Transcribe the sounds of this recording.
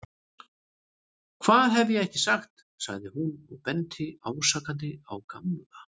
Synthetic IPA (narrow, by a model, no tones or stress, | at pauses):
kʰv̥aːðɦɛvɪjɛɣɛhcɪsaxt̪ | sa̰ɣðɪhunɔɣpɛnt̪ʰɪaːwsakant̪̬ɪawkamla